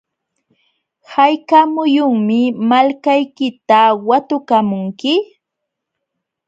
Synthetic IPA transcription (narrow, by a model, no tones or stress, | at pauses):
hajkamʊjʊŋmɪmalkajkɪt̪awat̪ʊkamʊŋkɪ